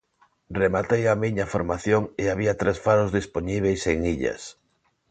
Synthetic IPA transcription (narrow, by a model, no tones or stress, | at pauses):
remat̪ejamiɲafoɾmaθjoŋeaβiat̪ɾesfaɾozðispoɲiβ̞ejseŋiʎɐ̰s